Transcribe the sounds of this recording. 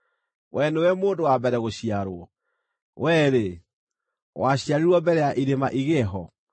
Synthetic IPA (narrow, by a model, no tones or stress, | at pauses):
wʔɛnewɛmoːndowabɛɾɛɣoɕiaɾoɔ | wɛɾe | waɕiaɾiɾwɔbɛɾɛjaʔiɾemaʔiɣɛɦɔ